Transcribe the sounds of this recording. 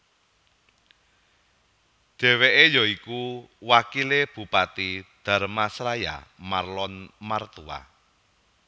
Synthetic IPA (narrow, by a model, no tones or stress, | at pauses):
ɖ̪̥ɛ̤weʔejɔikuwakileb̥ṳpat̪id̪̥a̤rmasɾaja̰marlɔnmart̪ua̰